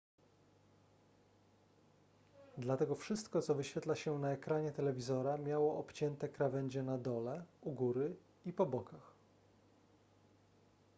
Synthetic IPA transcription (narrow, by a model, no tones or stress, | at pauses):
d̪lat̪ɛɡɔfʂɘst̪kɔt̪sɔvɘɕfʲɛt̪laɕɛnaɛkɾaɲɛt̪ɛlɛvʲizɔɾamʲjawɔʔɔpt͡ɕɛnt̪ɛkɾavɛɲd͡ʑɛnad̪ɔlɛuɡuɾɘ | ipɔbɔkax